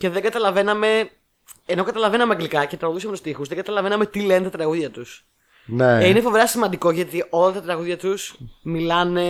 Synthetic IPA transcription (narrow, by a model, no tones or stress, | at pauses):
ce̞ðe̞ɡɐt̪ɐlɐve̞nɐme̞ | enokɐt̪ɐlɐve̞nɐmeɐŋɡlikɐcet̪ɾɐɣuðusɐmt̪ust̪ixuzðeŋɡɐt̪ɐlɐve̞nɐme̞t̪ile̞net̪ɐt̪ɾɐɣuðʝɐt̪us | neinefo̞veɾɐsimɐnd̪iko̞ʝɐt̪iʔo̞lɐt̪ɐt̪ɾɐɣuðʝɐt̪usmilɐne̞